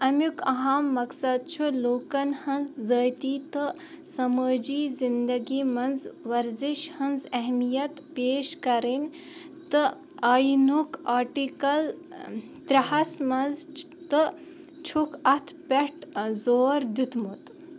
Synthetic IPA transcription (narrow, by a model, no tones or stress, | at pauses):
ɐmjukɐɦamːɐksɐd̪̚t͡ʃʰuloːkɐnhɐnzːəːjt̪iːt̪ɨ | sɐməːd͡ʒiːzind̪ɐɡiːmɐnzʋɐɾziʃhɐnzɐɦmijɐt̪peːʃkɐɾin | t̪ɨ | ɐjnukaːʈikɐl | t̪ɾɐɦɐsmɐnz | t̪ɨ | t͡ʃʰukʰɐt̪ʰpeʈzoːɾd̪ut̪mut̪